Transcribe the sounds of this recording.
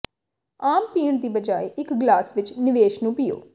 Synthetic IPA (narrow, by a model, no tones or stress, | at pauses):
aːmpiːɳd̪iːbəd͡ʒaːiʔɪkɡlaːsʋɪt͡ʃnɪʋeːʃnũːpɪːo̰ː